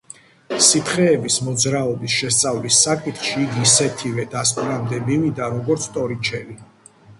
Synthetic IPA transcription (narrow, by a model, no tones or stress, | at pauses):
sip̪ʰχɛːbismɔd̪zɾaɔbisʃɛst̪sʼavlisːakʼit̪χʃiːɡisɛt̪ʰivɛd̪ask̪ʼɾamd̪ɛbimid̪aɾɔɡɔɾt̪sʰt̪ʼɔɾit͡ʃʰɛli